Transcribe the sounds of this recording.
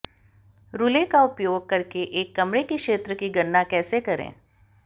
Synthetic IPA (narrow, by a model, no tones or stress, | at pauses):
ɾʊlekaʊpjoːɡ̚kɐɾkeʔeːkːɐmɾekikʃeːt̪ɾəkiɡɐnːakɛːsekɐɾḛ̃ː